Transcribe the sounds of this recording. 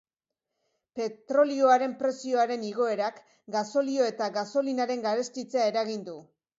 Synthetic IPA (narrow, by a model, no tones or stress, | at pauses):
pe̞t̪ɾo̞lio̞aɾe̞mpɾe̞sio̞aɾe̞niɣ̞o̞e̞ɾak | ɡaso̞lio̞e̞t̪aɣaso̞linaɾe̞ŋɡaɾe̞st̪it͡seae̞ɾaɣind̪u